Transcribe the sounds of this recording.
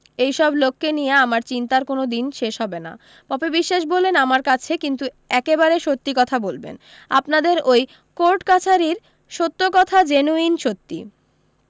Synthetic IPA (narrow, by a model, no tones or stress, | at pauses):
ejʃɔblokːenijeamaɾt͡ɕint̪aɾkonod̪inʃeʃɦɔbena̰ | pɔbebiʃːaʃbolːenamaɾkat͡ɕʰekint̪u | ɛkebaɾeʃot̪ːikɔt̪ʰabolbḛn | a̰pnad̪eɾoj | koɾʈkat͡ɕʰaɾiɾ | ʃot̪ːokɔt̪ʰad͡ʑenuinʃot̪ːḭ